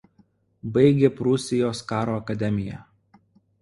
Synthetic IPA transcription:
bɐɪɡʲeːpɾʊsʲɪjoːskɑːɾoːɐkɐd̪ʲɛmʲɪjɛ̰

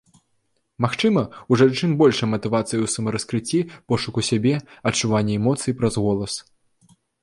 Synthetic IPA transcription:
maxt͡ʂɨmɐuʐant͡ʂɨnbɔlʲʂɐmɐt̪ɨvat̪sɨjuwsɐmɐɾɐskɾɨt͡sʲːipɔʂukusʲabʲɛɐt͡ʂːuvanʲːɛɛmɔt̪sɨjipɾɐzɣɔlˠɐs

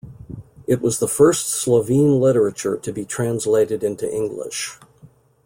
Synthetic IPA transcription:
ɨt̚wʌzðəfɜ˞stsləvĩnlɪɾə˞ɨt͡ʃə˞ɾɨbitʰɹ̥æ̃nsleɪɾɨɾɪ̃ntʉ̰ʔɪ̃ŋɡlɪ̰ʃ

